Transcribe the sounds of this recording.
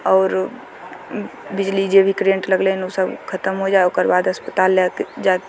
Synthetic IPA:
ɔːɾ | bɪd͡ʒlid͡ʒebʱikɾijə̃ɳʈləɡlenosəbkʰət̪əmɦod͡ʒaːeokəɾbaːd̪ɦəspət̪aːlːakd͡ʒaek

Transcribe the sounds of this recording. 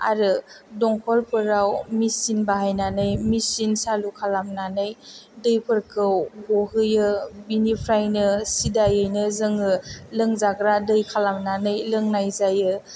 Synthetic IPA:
a̰ɾɯdɔŋkʰɔlpʰɯɾawmisinbaɦajnanɯjmisinsalukʰalamnanɯjdɯjpʰɯɾkʰɯwɡoɦɯjɯbinipʰɾajnɯsidajɯjnɯzɯŋɯlɯŋzaɡɾadɯjkʰalamnanɯjlɯŋnajzajɯ

